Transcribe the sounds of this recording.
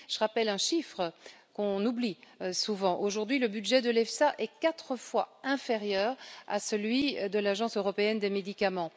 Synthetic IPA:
ʒ̥əʁapɛlɛ̃ʃifχə | kɔ̃nublisuvɑ̃ʔoʒuʁd̪ɥiləbyd̪ʒɛd̪əlɛfsaʔɛkat̪χəfwaɛ̃feʁjœːʁa̰səlɥid̪əlaʒɑ̃søʁɔpeɛnd̪emed̪ikamɑ̃

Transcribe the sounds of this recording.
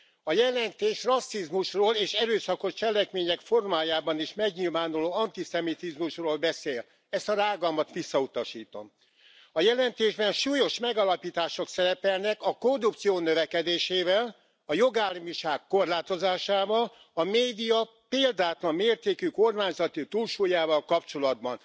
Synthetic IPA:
ɒjɛlɛnt̪eːʃrɒsːizmuʃroːleːʃɛɾøːsɒko̞ʃt͡ʃɛlɛkmeːɲɛkfo̞rmaːjaːbɒniʃmɛɡɲilvaːnuloːɒnt̪isɛmit̪izmuʃroːlbɛseːl | ɛst̪ɒɾaːɡɒmɒt̪ʋisːɒut̪ɒʃiːt̪o̞̰m | ɒjɛlɛnt̪eːʒbɛnʃuːjo̞ʃmɛɡɒlɒpiːt̪aːʃo̞ksɛɾɛpɛlnɛkɒkordupt̪sijoːnøvɛkɛd̪eːʃeːvɛl | ɒjo̞ɡaːlmiʃaːkːo̞rlaːt̪o̞zaːʃaːvɒl | ɒmeːd̪ijɒ | peːld̪aːt̪lɒmːeːrt̪eːkyko̞rmaːɲzɒt̪yt̪uːlʃuːjaːvɒlkɒpt͡ʃo̞lɒd̪bɒn

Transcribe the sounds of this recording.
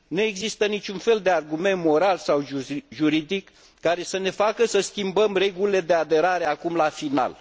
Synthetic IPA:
nue̞ɡzist̪ənit͡ʃʲunfe̞ld̪e̞arɡume̞nt̪mo̞ɾalsawʒuɾid̪ikː | aɾe̞səne̞fakəsəskʲimbəmre̞ɡulile̞d̪e̞ad̪e̞ɾaɾe̞akumlafina̰l

